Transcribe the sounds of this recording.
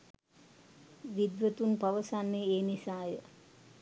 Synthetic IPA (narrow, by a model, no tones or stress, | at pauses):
ʋid̪ʋət̪unpaʋəsanːeeːnisaːjə